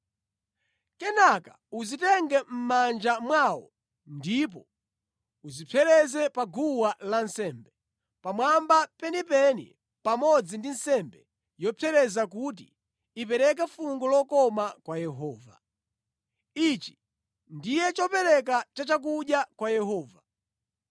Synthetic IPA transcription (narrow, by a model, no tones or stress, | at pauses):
kɛnaka | uzitɛŋɡɛm̩mand͡ʒamwawɔ̰ | ndip̬ɔ | uzipʰɛɾɛzɛpaɡuwalansɛmbɛ | pamwambapɛnipɛnḭ | pamɔd͡zindin̩sɛmbɛ | jɔpʰɛɾɛzakut̬ḭ | ip̬ɛɾɛk̬ɛfuŋɡɔlɔkɔmakwajɛɦɔːva̰ | it͡ʃi̥ | ndijɛt͡ʃɔpɛɾɛk̬at͡ʃat͡ʃak̬uɗjakwajɛɦɔːva